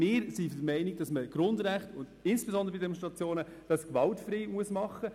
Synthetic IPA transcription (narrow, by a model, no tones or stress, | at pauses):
mɪːɾsifdəmɛɪnɪɡ̚d̥ɑsməɡ̥ɾʊndɾæχtʊndɪnsb̥ezɔnd̪əɾəbidemonʃtɾʁɑt͡sjoːnə | d̥ɑskʋɑltfriːmuəsmɑχːə